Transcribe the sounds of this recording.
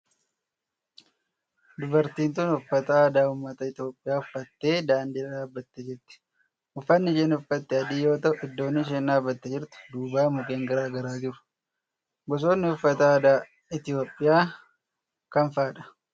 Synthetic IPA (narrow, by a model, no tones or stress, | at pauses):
d̪ʊbɐɾt̪iːnt̪uːnʊfːɐt̪ɐaːd̪aːʊmːɐt̪ɐɪt̪ɪo̞ːpʼːɪjaːʊfːɐt̪ːe̞ːd̪aːnd̪iːɾɐᶑaːbːɐt̪ːɛd͡ʒɪɾt̪ɪ̥ | ʊfːɐnːɪʃɛːnʊfːɐt̪ːɛɐd̪iːjo̞ːt̪ɐʔʊɪd̪ːo̞ːnːɪʃ̬eːnːaːbːɐt̪ːɛd͡ʒɪɾt̪ʊ̥d̪uːbaːmʊkʼe̞ːŋɡɐɾaːɡɐɾaːd͡ʒɪɾʊ̥ | ɡɔs̬o̞ːnːɪʊfːɐt̪ɐaːd̪aː | ɪt̪ɪo̞ːpʼːɪjaː | kɐnfaːᶑɐ̥